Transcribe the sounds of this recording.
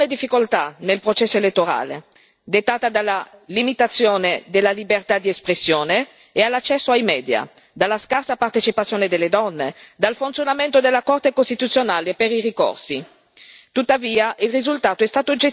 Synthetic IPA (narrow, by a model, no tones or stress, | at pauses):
ed̪ifːikolt̪anelpɾot͡ʃɛsːoelet̪ːoɾa̰ːlḛ | d̪et̪ːaːt̪ad̪alːalimit̪at̪sːjoːned̪elːalibert̪ad̪iespɾesːjoːneː | alːat͡ʃːɛsːoajmɛːd̪ja̰ | d̪alːaskarsapart̪et͡ʃipat̪sjoːned̪elːed̪ɔnːed̪alfunt̪sjonament̪od̪elːakort̪ekost̪it̪ut̪sːjonaːlepeɾiriko̰rsi | t̪ut̪ːaviːaʔilrizult̪aːt̪oɛst̪aːt̪od͡ʒe